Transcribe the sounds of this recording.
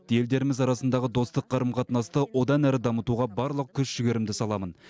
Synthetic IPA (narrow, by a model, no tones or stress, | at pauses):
je̞ld̪e̞ɾɪmɪzɑɾɑsənd̪ɑʁəd̪o̞st̪əqqʰːɑɾəmqʰɑt̪nɑst̪əwo̞d̪ɑnæɾɪd̪ɑmət̪uʁɑbɑɾlˠəq̚kʲʰʏsʒ̥ʏɡʲeɾɪmd̪ɪsɑlˠɑmən